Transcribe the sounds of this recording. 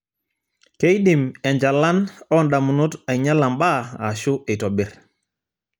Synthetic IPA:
ke˦jɗi˨mɛ˨ɲd͡ʒa˨lːa˦nɔ˦nɗa˨mu˨nu˦ta˨ɲa˦la˨mba˦a˨ʃu˦ʔi˨tɔ˨bi˨ɾ

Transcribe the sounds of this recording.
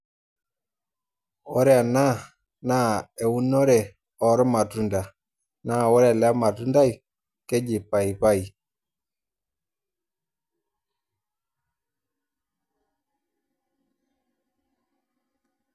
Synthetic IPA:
ɔ˦ɾɛ˦a˨na˦ | na˦˨ɛ˨u˦nɔ˦ɾɛ˨ | ɔ˨˦ɾɔ˦ma˨tu˦nda˨ | na˦˨wɔ˦ɾɛ˦˨la˦ma˨tu˦nda˦i˨ | kɛ˦d͡ʒi˨pa˨i˨pa˦i˨

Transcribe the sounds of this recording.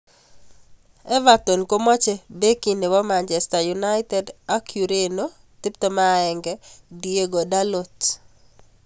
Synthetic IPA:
ɛ˦va˨t̪o˨nko˦mɔ˦t͡ʃɛ˦be˦ki˨ne˨wɔ˦ma˨nt͡ʃɛ˨sta˨juna˦ɪtɛ˦da˦kʰju˨ɾe˦no˦ | t̪i˦p̚t̪o˦ma˦ɛ˨ŋɡɛdie˦ɡo˨da˦lo˦t

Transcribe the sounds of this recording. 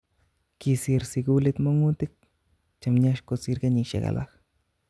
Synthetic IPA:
ki˧si˧ɾsi˧ɡu˦li˧t̪mo˦ŋu˦t̪i˦k̚ | t͡ʃa˨mɲa˦ʃko˧si˧ɾɡa˦ɲi˧ʃa̰˨ɡa̰˨la̰˦x

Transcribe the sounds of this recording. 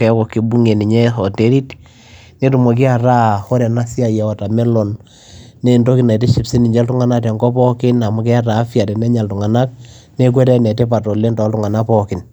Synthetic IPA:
kɛ˨kɔ˨ki˨bu˦ŋe˨ni˨ɲɛ˦sɔ˨te˦ɾi˦t | ne˦tu˨mo˨k̬ɪ˦a˨ta˦hɔ˦ɾɛ˨na˦si˦a˨jɛ˨ɔ˨ta˨mɛ˦lɔ˨nː | e˦˨ndo˦ki˨na˨i˨te˦ʃi˨psi˦ni˨ɲd͡ʒɛ˦ltu˦ŋa˦na˦t̬ɛ˨ŋɡɔ˦pɔ˦kɪ˦na˨mu˦k̬i˦a˦taː˨˦fja˨tɛ˨nɛ˦ɲa˨ltu˨ŋa˨na˦k̚ | ne˦k̬wɛ˦ɾɛ˦nɛ˨te˦pa˨tɔ˨le˦ndɔ˨˦ltu˦ŋa˨na˦pɔ˦kɪ˨n

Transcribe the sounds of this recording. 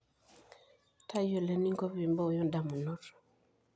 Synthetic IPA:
ta˦jo˨le˨ni˦ŋko˦pi˨mbo˦˨jɔ˦nda˨mu˨nɔ˦ɾ

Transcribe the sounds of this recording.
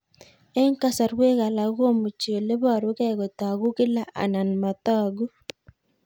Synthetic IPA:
e˦ŋka˦sa˨ɾwe˦ɣa˨la˨ɣwo˦mu˨t͡ʃe˨le˦βa˦˨ɾu˦kɛ˦ɣo˨ta˨ɣu˦kɪ˦la˦˨ʔa̰˨na˨n˨ma˨ta˦ɡu˦

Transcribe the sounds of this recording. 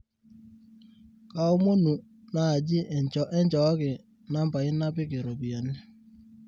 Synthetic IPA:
ka˦o˦mo˦nu˨ | na˦˨d͡ʒɪ˦˨ʔɛ˦nt͡ʃɔ˨˦kɪ˨ | na˦mba˨ɪ˦na˦pɪ˦kɪ˨ɾo˨bi˨ɔ˨nɛ˦

